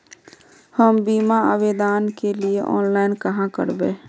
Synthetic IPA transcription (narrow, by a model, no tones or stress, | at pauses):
həmbimaə̰bed̪aːnkelieʔɔːnlaːɪnkəɦãkə̰ɾbe